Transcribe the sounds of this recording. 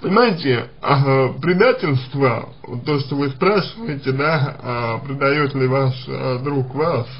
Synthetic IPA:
pənʲɪmajɪtʲɪ | pɾʲɪd̪atʲɪlʲst̪və̰ | t̪ːoʂt̪ovɨspɾaʂɨvəjɪtʲɪd̪apɾʲɪd̪ajot̪lʲɪvaʂd̪ɾukvas

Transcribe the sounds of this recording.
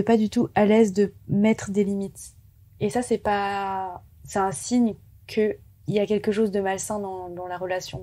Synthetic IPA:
ɛpad̪yt̪uʔalɛzd̪əmɛt̪χəd̪elimit̪ | esasɛpa | sɛt̪ɛ̃siɲ | kʰə | iljakʲɛlkəʃozd̪əmalsɛ̃d̪ɑ̃d̪ɑ̃laʁəlasjɔ̃

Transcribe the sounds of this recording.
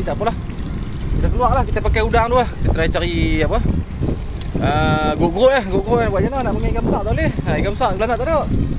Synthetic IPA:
t̪aʔpulah | kit̪akəluaʔlahkit̪əpakɛudaŋduahkit̪ət̪ɾait͡ʃaɾiapə | əɡoʔɡʁoʔjahɡoʔɡoʔabwaʔɲananaʔməŋaʔiɡamsaʔ̚t̪alehaiɡamsaʔɡəlanaʔt̪adoʔ

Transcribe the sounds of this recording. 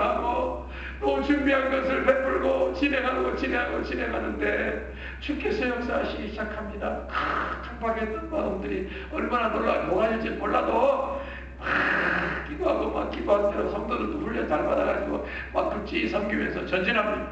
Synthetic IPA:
aɡo | mont͡ɕʰuŋbiɦanɡʌsʰɯɭɸep͈ɯɭɡot͡ɕine̞ŋɦanɡot͡ɕineɦaɡot͡ɕʰine̞ŋɦanɯnde̞ | t͡ɕʰuk͈ʰːesʰejʌk̚s͈aɦaɕʰiɡiɕʰid͡ʑakʰamɲidakatʰaŋbaɡet͈ʌnmaʌmdɯɾi | ʌ̰ɭmananoɭːa̰moŋɦad͡ʑid͡ʑinmoɭːado | pa | k͈idoɦaɡoma̰k̚k͈idoɦatʰejosʰʌŋdʌɾɯnt͈oɸuʎːʌt͡ɕaɭbadaɡa̰d͡ʑiɡo̰ | mak̚k͈ɯp̚t͡ɕ͈iːsʰʌmɡiḛsʰʌt͡ɕʌnd͡ʑinɦamɲida

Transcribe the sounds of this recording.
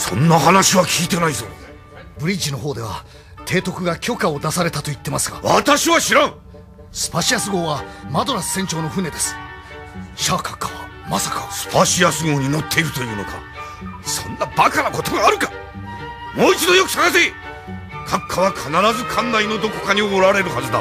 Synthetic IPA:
sõ̞̰nːahanaɕiβakʲʰiːt̪e̞naizo̰ | bɯ̟ɾʲid͡ʑino̞ɦo̞ːd̪e̞βa̰ | t̪ʰe̞ːt̪o̞kɯ̟ɡakʲo̞kaod̪asaɾe̞t̪at̪o̞it̪ːe̞masɨɡa̰βa̰t̪aɕiβaɕiɾãŋ̃ | sɨ̥paɕiasɨɡo̞ːβamad̪o̞ɾasɨ̥sẽ̞ɲt͡ɕo̞ːno̞ɸɯ̟ne̞d̪e̞sɨ̥ | ɕaːkḁkːaβa̰ | masḁkasɨ̥paɕiasɨɡo̞ːɲ̟ino̞t̪ʰːe̞iɾɯ̟t̪o̞jɯ̟ːno̞̰ka̰ | sõ̞̰nːabakanako̞t̪o̞ɡaːɾɯ̟kḁ | mo̞ːit͡ɕid̪o̞jo̞kɯ̟saɡasii | kʰakʰːaβakʰanaɾazɨkʰãnːaino̞d̪o̞ko̞̥kaɲ̟ioːɾaɾe̞ɾɯ̟hazɨd̪a

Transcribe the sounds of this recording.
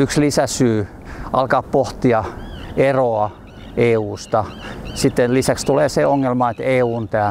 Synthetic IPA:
ykslisæsyː | ʔɑlkɑːppoht̪iɑeroɑ | ʔeːuːst̪ɑsit̪ːenlisækst̪uleːseoŋːelmɑet̪eːuːnt̪æː

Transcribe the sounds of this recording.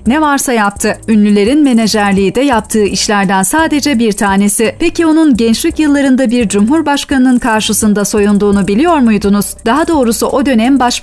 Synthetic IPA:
nevaɾsajap̚t̪ʰɯynlʲylʲe̞ɾinme̞ned͡ʒæɾlʲiːd̪ɛjap̚t̪ʰɯːʔiʃlʲæɾd̪ænsaːd̪e̞d͡ʒɛbiɾt̪ʰaːne̞sipecʰio̞nunɟɛnt͡ʃlʲicjɯlˠːaɾɯnd̪abiɾd͡ʒumɦuɾbaʃkanɯnɯnkʰaɾʃɯsɯnd̪aso̞jund̪uːnubilʲijo̞ɾmujd̪unuz̥d̪̥aɦad̪o̞ːɾusuʔo̞d̪ø̞nɛmbaʃ

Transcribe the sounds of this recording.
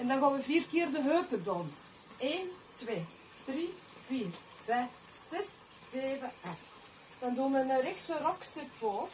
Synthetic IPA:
ɛndɑnɣɑːnʋəviːrkeːrdəɦøːpədɔːn | eːn | tʋeː | d̥ri | vʋiːr | v̥ɛf | z̥ɛs | z̥eːvəɛxt | d̥ɑnduːnənərɪxsərɔksɪtfoːr

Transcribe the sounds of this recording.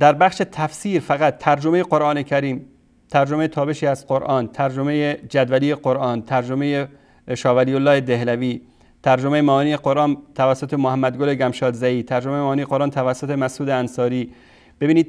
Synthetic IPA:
d̪̥æɾbæχʃe̞t̪ʰæfsiːɾfæɣæt̪ʰːæɾd͡ʒo̞me̞jeqo̞ɾʔɒːnecʰæɾiːm | t̪ʰæɾd͡ʒomejet̪ʰɒːbe̞ʃiːæzqo̞ɾʔɒːnt̪ʰæɾd͡ʒome̞jed͡ʒæd̪vælijeqo̞ɾʔɒːnt̪ʰæɾd͡ʒome̞je | ʃɒːvæliːolːɒːhe̞d̪e̞hlæviː | t̪ʰæɾd͡ʒomejemæːniːjeqo̞ɾʔɒːnt̪ʰævæsːot̪ʰemohæmːæd̪ɡoleɡæmʃɒːd̪zæiːt̪ʰæɾd͡ʒomejemɒːnijeqo̞ɾʔɑːnt̪ʰævæsːot̪ʰemæsʔuːd̪eænsɒːɾiː | b̥e̞biːniːd̪̥̚

